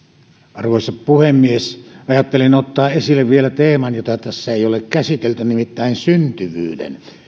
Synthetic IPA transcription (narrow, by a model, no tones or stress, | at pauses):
ɑrʋoˑisɑppuhemːiesɑjɑt̪ːelinot̪ːɑːʔesilːeʋʋielæt̪eːmɑnjot̪ɑt̪æsːæeˑiolekkæsit̪elt̪ynimit̪ːæˑinsynt̪yʋy̰ːdḛn